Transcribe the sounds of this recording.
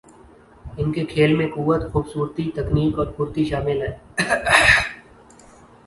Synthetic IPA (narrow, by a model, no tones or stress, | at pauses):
ɪnkekʰeːlmẽkʊʋːət̪xuːbsuːɾt̪it̪ɐkniːkɔːɾpuːɾt̪iʃaːmɪlɦɛː